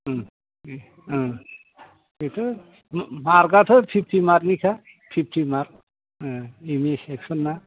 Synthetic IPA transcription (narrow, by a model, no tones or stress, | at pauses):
et̪ʰɯ | maɾɡat̪ʰɔpʰip̚ʰʈʰimaɾnikʰa | pʰip̚ʰʈʰimaɾ | imiseksɔnːa